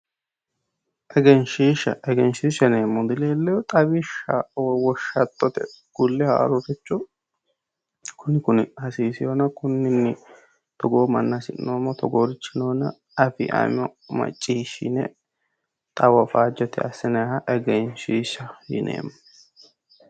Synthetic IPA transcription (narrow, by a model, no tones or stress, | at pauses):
ʔɛɡɛnʃiːʃɐ̰ʔɛɡɛnʃiːʃɐneːmːɔd̪ɪleːlːɛjɔt̪ʼɐbɪʃawwɔʃːɐt̪ʼːɔt̪ɛ̰ | ɡ̥ʊlːɛha̰ːɾʊɾɪt͡ʃːɔ | kʊnɪkʊnɪhɐsiːsɪjoːnɐkʊnːɪnːɪ | t̪ɔɡoːmɐnːasɪnːoːmːɔt̪ɔɡoːɾɪt͡ʃːɪnoːnɐ | ɐfɪ̰ʔa̰ːmɔmɐ̰t͡ʃʼːiːʃɪnɛ | t̪ʼɐwɐfaːd͡ʒɔt̪ɛ̰ɐsɪnɐhɐʔɛɡɛnʃiːʃɐjɪ̰nḛːmːɔ